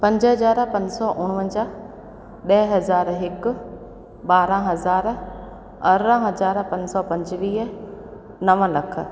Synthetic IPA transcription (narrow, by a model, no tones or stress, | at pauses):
pɐ̃ɲd͡ʑɦɐzaːɾpɐ̃ɲsɔʔʊɽ̃ʋə̃ɲd͡ʑa | ɗɐɦɦɐzaːɾɦɪkʊ̆ | ɓaːɾãɦɐzaːɾ | ɐɾɾãɦɐzaːɾpɐ̃ɲsɔpɐ̃ɲd͡ʑʋiːɦ | nɐʋə̃lɐk̆ʰ